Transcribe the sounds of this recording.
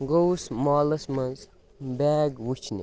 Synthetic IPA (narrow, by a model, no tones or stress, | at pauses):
ɡowsmaːlɐsmɐnz | baːɡwut͡ʃʰnḭ